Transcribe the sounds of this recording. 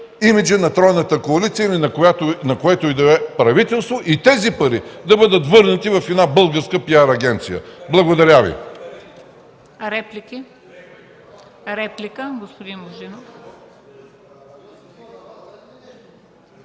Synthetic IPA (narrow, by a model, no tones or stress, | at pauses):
imid͡ʒənɐt̪ɾɔjnət̪əkoɐlit̪sijəinɐkojat̪onɐkoɛt̪oid̪ɐɛpɾɐvit̪ɛlˠst̪voʔit̪ɛzipɐɾid̪ɐbɤd̪ət̪vɤɾnɐt̪ivɐfɛd̪nabɤlˠɡəɾskəpiaɾːɡɛnt̪sijə̰blˠɐɡod̪ɐɾʲavḭ | ɾɛpliki | ɾɛplikəɡospod̪inboʒinof